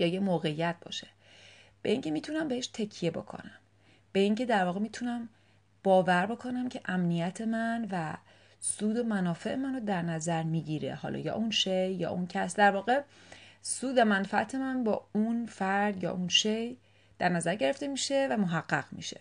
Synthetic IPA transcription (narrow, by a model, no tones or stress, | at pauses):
jɒːjemoːɣe̞jːæt̪̚bɒ̰ːʃe̥ | b̥e̞ʔiŋcʰe̞miːt̪ʰunæmbeeʃt̪ʰe̞cʰije̞bo̞̰kʰo̰næm | b̥e̞iŋcʰe̞d̪æɾvɒːɣemiːt̪ʰunæm | b̥ɒːvæɾbo̞kʰonæmcʰe̞ʔæmnijæt̪ʰe̞mænvæ | suːd̪o̞mænɒːfe̞ʔemænod̪æɾnæzæɾmiːɟiɾḛhɒ̰ːlʔɒ̰ːjɒ̰ːʔunʃejjɒ̰ːʔuncʰæsd̪æɾvɒːɣe̞ | suːd̪emænfææt̪ʰe̞mænbɒːunfæɾd̪jɒ̰ːʔunʃej | d̪̥æɾnæzæɾɟe̞ɾe̞ft̪e̞miːʃe̞væmoɦæɢːæ̰ɣ̥mḭʃe̞̰